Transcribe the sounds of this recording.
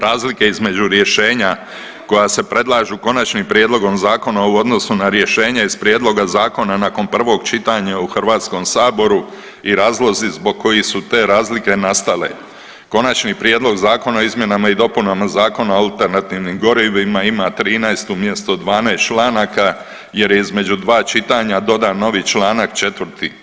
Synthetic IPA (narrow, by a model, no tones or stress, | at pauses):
ɾaːzlike̞izme̞d͡ʑuɾje̞ʃe̞ːɲa | ko̞jase̞pɾe̞d̪lˠaːʒuko̞nat͡ʃnimpɾjed̪lˠo̞ɡo̞mzaːko̞nauo̞d̪no̞sunaɾje̞ʃe̞ːɲaiz̥pɾjeːd̪lo̞ɡazaːko̞nanaːko̞npr̩ʋo̞ɡt͡ʃit̪aɲauxr̩ʋaːt̪sko̞msaːbo̞ɾu | iɾaːzlˠo̞zizbo̞ɡ̚kːo̞jisut̪e̞ːɾaːzlike̞nast̪ale̞̰ | ko̞nat͡ʃnipɾje̞ːd̪lˠo̞ɡzaːko̞naoizmje̞namaid̪o̞punamazaːko̞naoalt̪e̞ɾnat̪iːʋnimɡo̞ɾiʋimaimat̪ɾiːnajst̪umje̞st̪od̪ʋaːnaest͡ʃlˠaːnaka | je̞ɾjeizme̞d͡ʑud̪ʋaːt͡ʃit̪aɲad̪o̞d̪ano̞ʋit͡ʃlaːnakt͡ʃe̞t̪ʋərt̪i